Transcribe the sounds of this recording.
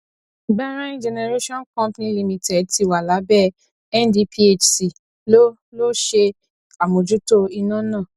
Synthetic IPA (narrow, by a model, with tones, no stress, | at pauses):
ɡ͡ba˦ɾ̃ã˦ĩ˦d͡ʒɛ˧nɛ˧ɾe˦ʃɔ̃˦nkɔ̃˦mpnĩ˦li˧mĩ˧tɛ˨d̚ti˧˨wa˨la˨˦bɛ˦˨ | ɛ˦ndi˧pʰi˦e˦t͡ʃsi˨ | lo˦ | lo˦ʃe˧ | a˨mõ˨d͡ʒu˨˦to˦i˧nã˦nã˦˨